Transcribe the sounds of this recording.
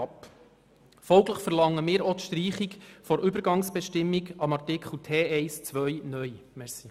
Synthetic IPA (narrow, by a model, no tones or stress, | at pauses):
p | fɔlɡləχfəɾlɑŋːəmɪːɾot̪ʃtriːχikfɔɾʔʏbəɾɡɑŋsb̥ɛʃtɪmːiɡɑmɑrtɪkχl̩tʰeːɛɪst͡sʋœjnœj | mɛɾsi